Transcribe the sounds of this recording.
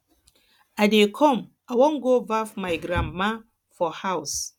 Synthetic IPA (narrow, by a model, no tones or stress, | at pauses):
adekʰɔ̃m | awõŋɡovafmajɡɾãmma | fɔhaws